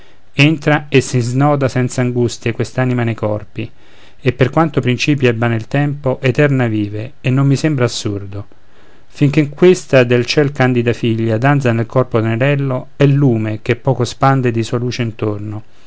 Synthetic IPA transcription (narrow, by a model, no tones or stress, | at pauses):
ent̪ɾaesːiznɔːd̪asɛnt̪saːŋɡust̪jekwest̪aːnimanejkɔrpi | epːerkwant̪opɾint͡ʃiːpjɛbːanelt̪ɛmpoʔet̪ɛrnaviːveːnːomːisembɾaːsːurd̪o | fiŋk̟eŋkwest̪ad̪elt͡ʃɛlkand̪id̪afiʎːad̪ant̪sanelkɔrpod̪eneɾɛlːoɛlːuːmek̟epːɔːkospand̪ed̪isuːaluːt͡ʃeint̪orno